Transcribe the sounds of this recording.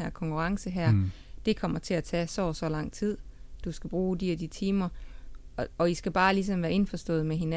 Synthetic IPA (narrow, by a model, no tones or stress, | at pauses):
æɐ̰kʰɒ̽ŋkʰuʁɑ̈ŋsəɦæɐ̰d̥e̝kʰɒ̽m̰ɐt͡sʰe̝læt͡sʰɛsɒːsɒ̽lɑ̈ŋ̰t͡sʰið̞̰ˠd̥usɡ̥æb̥ʁuːd̥iæd̥it͡sʰiːmɐ | ɒ̽isɡ̥æb̥ɑ̈ːlis̬ɒ̽mʋæːɐe̝nfɒsd̥ɔ̰̽ːð̩ˠmeɦe̝næ